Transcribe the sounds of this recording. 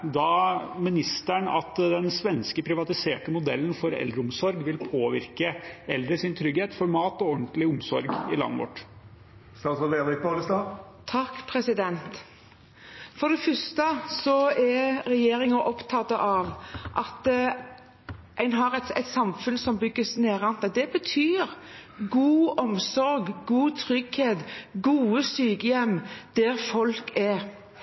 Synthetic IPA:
d̪ɑːmɪnɪst̪æɳɑ̰t̪d̪ɛnsʋɛnskəpʰɾɪʋɑt̪ɪseːʈəmʊd̪ɛlːən̩fɔɾɛ̰ld̪ɾəʊmsɔɾɡʋɪlpʰoːʋɪɾkəɛld̪ɾəsɪnt̪ʰɾʏɡheːt̪fɔɾmɑːt̪ɔɔnt̪lɪʊmsɔɾɡɪlɑ̰nːəʋɔ̰ʈ | st̪ɑsɔed̪ɪk̚pɑləst̪ɑːt̪ʰɑkːpʰɾɛsɪd̪ɛnt̪ | fɔd̪ɛfœst̪əsɔɛɾɛjeːɾɪŋɑʔɔpt̪ʰɑt̪ːəʔɑʋʔɑt̪ | ʔæɪnɦɑɾɛt̪ɛɪt̪sɑmfʉnsɔmbʏɡːəsneːɾɑnd̪əd̪ɛbət̪ʰyːɾɡuːɔmsɔɾɡɡuːt̪ʰʁʏɡheːt̪ɡuːəsyːɡəjɛmːd̪̥ɛɾfɔlkɛ

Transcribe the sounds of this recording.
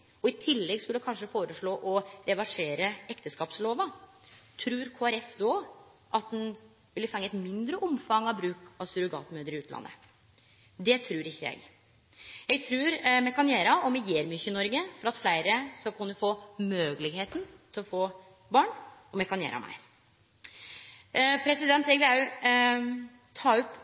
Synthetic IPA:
ɔɪt̪ʰɪlːɛɡskʉlːəkʰɑnʂəfoːɾəʂɭoːʔɔɾɛʋɑʂeːɾəɛkt̪əskɑːpsloːʋət̪ʰɾʉːɾkʰoːæɾɛfd̪ɔ | ʔɑt̪̚d̪ɛn | ʋɪlːəfɑŋːəɛt̪mɪnd̪ɾəʔʊmfɑŋːɑʋbɾʉːkɑʋsʉɾʊɡɑ̰ːt̪møːd̪əɾɪʉːt̪lɑ̰nːə̰ | d̪ɛt̪ʰɾʉːɾɪçːəjæ̰ɡ | jɛɡt̪ʰɾʉːɾmɛkʰɑnjeːɾɑɔmɛjeːɾmyçəɪnɔɾɡəfɔɾɑt̪flæɪɾəsɔkʰɑnd̪ʉfoːmøːɡəlɪɡheːt̪n̩t̪ʰɪlɔfoː | bɑːɳɔmɛkʰɑnjæ̰ːɾʔɑ̰mæ̰ɪɾ | pʰɾɛsɪd̪ɛnt̪ɛɡʋɪɑʉ | t̪ʰɑːɔp

